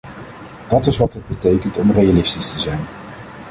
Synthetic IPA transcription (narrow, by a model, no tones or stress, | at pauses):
d̥ɑtɪsʋɑtɦəd̚bətejkəntɔmrejalɪstistəzɛjn